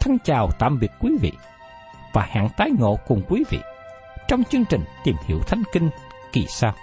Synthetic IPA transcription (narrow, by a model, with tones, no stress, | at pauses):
t̪ʰə˧nt͡ɕaː˨˩wt̪a̰ː˧˨mvi˨˩ət̚kwi˨˦vḭ˧˨ | vaː˨˩ha̰ː˧˨nt̪aː˨˦jŋo̰˧˨kʊ˨˩ŋ͡mkwi˨˦vḭ˧˨ | t͡ɕɔ˧wŋ͡mt͡ɕɨ˧əŋt͡ɕï˨˩ŋ̟t̪i˨˩mhḭ˧˩əwt̪ʰa˨˦jŋ̟ki˧ŋ | ki˨˩saː˧w